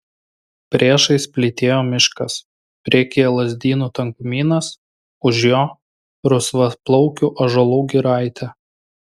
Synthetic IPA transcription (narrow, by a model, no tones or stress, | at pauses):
pʲɾʲeːʃɐɪspʲlʲɪt̪ʲeːjoːmʲɪʃkɐs | pʲɾʲiɛkʲeːjɛlˠɐzʲd̪ʲiːnuːt̪ɐŋkmʲiːnɐs | ʊʒʲjoː | ɾʊsʋɐplˠɔʊkʲuʔɐʒɐlˠuːɡʲɪɾɑˑɪt̪ʲʰɛ